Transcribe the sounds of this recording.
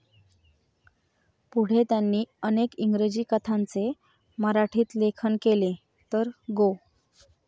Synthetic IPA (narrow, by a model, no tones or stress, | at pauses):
puɽ̤et̪janːiːənekiŋɡɾed͡ʑiːkət̪ʰant͡se | məɾaʈʰiːt̪lekʰənkele | t̪əɾɡo